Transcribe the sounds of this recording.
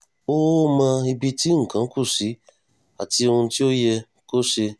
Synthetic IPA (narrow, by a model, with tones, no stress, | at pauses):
o˦mã˧i˧bi˧ti˦ŋ̩̃˨kã˨˦ku˦˨si˨˦ | a˨ti˧o˧hũ˧ti˦o˦jɛ˧ | ko˦ʃe˧